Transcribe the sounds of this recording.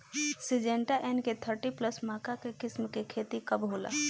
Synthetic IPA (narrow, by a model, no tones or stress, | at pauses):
sid͡ʒeɳʈaʔenket̪ʰəɾʈipləsmakakekɪsmkekʰet̪ikəbɦola̰